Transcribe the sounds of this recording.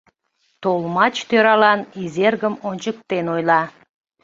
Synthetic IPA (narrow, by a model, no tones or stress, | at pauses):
t̪olˠmɑt͡ʃt̪ʰøɾɑlˠɑnizʲerɡəmont͡ʃuk̚t̪enojlˠɑ